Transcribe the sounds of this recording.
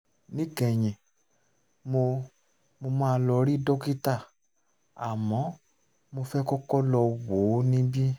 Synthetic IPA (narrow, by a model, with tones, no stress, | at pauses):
nĩ˦kɛ˨j̃ĩ˨ | mo˧ | mo˧mã˦˧lɔ˧ɾi˦dɔ˦ki˦ta˦˨ | a˨mɔ̃˨˦ | mo˧fɛ˦kɔ˦kɔ˦lɔ˧wo˨˦nĩ˦bi˦